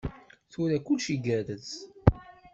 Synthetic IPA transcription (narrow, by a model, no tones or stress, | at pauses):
θʊɾækʊlʃiɡæɾəð